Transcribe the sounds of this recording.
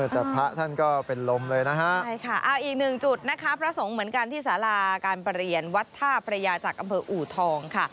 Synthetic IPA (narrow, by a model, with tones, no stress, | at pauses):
mɯ˥˩ət̪ɛː˨˩pʰa˦˥ʔt̪ʰa˥˩nkɔː˥˩pe˧nlo˧mlɤː˧jna˦˥kʰa˦˥ʔʰa˥˩jkʰa˥˩ʔaː˧˩ʔiː˨˩k̚nɯ˨˩ŋt͡ɕu˨˩t̪̚na˦˥kʰa˦˥pʰɾa˦˧so˩˦ŋmɯ˩˦ənka˧nt̪ʰiː˥˩saː˩˦laː˧kaː˧npɾi˨˩ənwa˦˥t̪ʰːaː˥˩pʰa˧ɾa˧jaː˧t͡ɕaː˨˩k̚ʔa˧mpʰɤː˧ʔuː˨˩t̪ʰɔː˧ŋkʰa˥˩